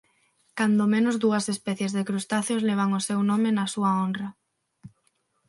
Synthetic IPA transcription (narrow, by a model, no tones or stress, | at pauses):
kand̪omẽnʊzðuɐsespɛθjezðekɾust̪aθjosleβ̞aŋosewnomenɐsuɐonrɐ